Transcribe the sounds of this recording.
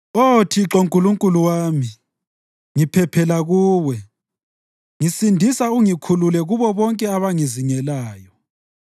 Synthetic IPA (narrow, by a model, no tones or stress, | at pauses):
otʰiǁoŋkʼuluŋkʼuluwaːmi | ŋipʰɛpʰɛlaɣuːwɛ | ŋisindʱisauŋikʰululɛɣuβɔβɔŋkʼɛaβaŋiziŋɛlaːjɔ